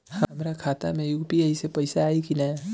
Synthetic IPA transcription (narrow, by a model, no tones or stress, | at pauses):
hɐɦɐmɾakʰaːt̪a̰mẽjʊɡpiəisepɐɪsaːikinɐ